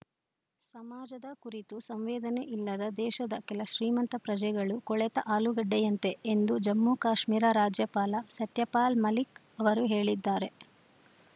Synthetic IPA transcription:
sɐmaːd͡ʒɐd̪ɐkuɾit̪usɐmʋɛːd̪ɐneʔilːɐd̪ɐd̪ɛːʃɐd̪ɐkɛlɐʃɾiːmɐnt̪ɐpɾɐd͡ʒɐjɡɐɭukɔɭɛt̪ɐʔaːluɡɐɖːɛjɐnt̪e̞end̪ud͡ʒɐmːukaːʃmiːɾɐɾaːd͡ʒjɐpaːlɐsɐt̪jɐpaːlmɐlik | ɐʋɐɾuɦe̞ːɭid̪ːaːɾe̞

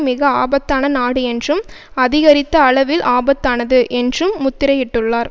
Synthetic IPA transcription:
mɪɣɐaːbɐt̪ːaːnɐnaːɽɯɛndrɯm | ɐðɪɣɐɾɪt̪ːɐːɭɐʋɪlʔaːbɐt̪ːaːnɐðɯʔɛndrɯmːʊt̪ːɪɾɐjɪʈːɯɭːaːɾ

